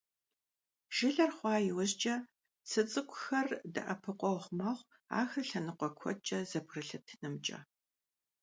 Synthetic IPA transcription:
ʒ̥ɪɮɐrχʷɑːjɪwʊʑt͡ʃʼɐ | t͡sʰɨt͡sʼɨkʷʰʼʊxɐrdɨ̰ʔɐpʰɨqʷɔwʁʷmaːʁʷ | a̰ːxɨɬɐnɨqʷʼɔkʷʰɔ̰t͡ʃʼɐzɐbrɨɬɨtʰnɨmt͡ʃʼɐ̰

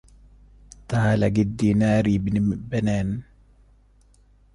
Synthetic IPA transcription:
t̪aːlaɡidːinaːɾibinimibɛnɛn

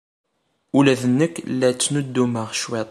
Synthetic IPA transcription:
ulæðənːəkːlːæt͡sːnud̪ːuməʁʃwet̪ˤ

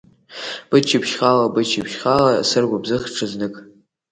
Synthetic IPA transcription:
b̥ɨt͡ʃʰipʃχalabɨt͡ʃʰipʃχalasɨrɡʷabzɨχʈ͡ʂʰɨznɨkʼ

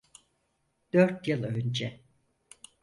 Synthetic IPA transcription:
d̪̥øɾt̪jɯlˠønd͡ʒɛ

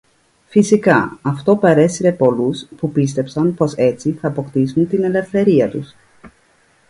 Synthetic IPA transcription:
fisikɐ̰ɐft̪o̞peɾe̞siɾe̞po̞luspupist̪e̞psɐnpo̞se̞t͡siθɐːpo̞kt̪isunt̪ine̞le̞fθe̞ɾiɐt̪us

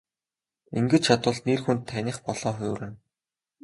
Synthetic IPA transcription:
iŋɡɘ̆t͡ɕt͡ɕʰat̪ʊ̆ːɮnerxunt̪ʰːænʲĭːχpɔɮɔːxʊːɾɘːn

